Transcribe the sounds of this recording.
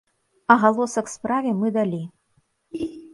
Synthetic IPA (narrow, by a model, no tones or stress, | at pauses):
ɐɣalˠɔsɐkspɾavʲɛmɨd̪alʲi